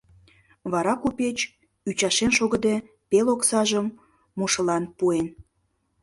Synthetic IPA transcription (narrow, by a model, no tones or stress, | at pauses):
βɑɾɑkupet͡ɕ | yt͡ɕɑʃenʃoɣə̆d̪e | peloksɑʒəmː | oʃə̆lɑnpuen